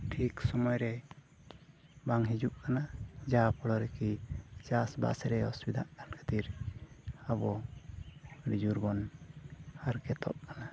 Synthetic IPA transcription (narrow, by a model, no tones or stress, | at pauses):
ʈʰiksɔmɔjɾɛ | baŋɦid͡ʒuʔkanad͡ʒapʰɔlɔɾɛkid͡ʒasba̰sɾɛɔsbid̪aʔkankʰə̥t̪iɾ | abɔ | ɾid͡ʒuɾbɔn | haɾkɛt̪ɔ̰ʔ̚kana